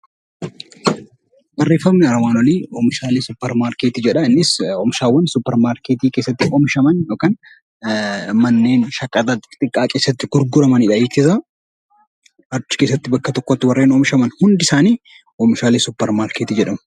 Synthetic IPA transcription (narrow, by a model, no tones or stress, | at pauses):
bɐrːe̞ːfːɐbnɪɐɾɐmaːnɔliːɔmɪʃaːlisʊpːɛɾmaːɾkeːt̪ɪd͡ʒɛᶑɐɪnːɪsɔmʃaːwːɐnsʊpːɛɾmaːɾkeːt̪iːke̞ːsːɐt̪ːɪʔɔmʃɐmɐnjoːkaːn | mɐnːe̞ːnʃɐkʼːɐt̪ɐt̪ːɪt̪ʼɪkʼːaːkʼe̞ːsːɐt̪ːɪɡʊɾɡʊɾɐmɐnɪᶑɐiːt̪ɪsɐ | ɐɾt͡ʃːɪ̥keːs̬ːɐt̪ːɪbɐkːɐt̪ɔkːɔt̪ːɪwɐrːeːnɔmʃɐmɐnhʊnd̪ɪsaːniː | ɔmɪʃaːliːsʊpːɛɾmaːɾkeːt̪ɪd͡ʒɛᶑɐmʊ